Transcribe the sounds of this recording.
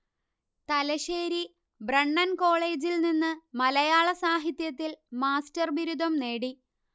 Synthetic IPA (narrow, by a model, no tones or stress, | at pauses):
t̪ɐlɐɕeːɾi | brɐɳːɐnko̞ːɭe̞ːd͡ʑilninːɨmɐlɐjaːɭɐsaːɦit̪jɐt̪ːilmaːstɐrʋiɾud̪ʱɐmne̞ːɽi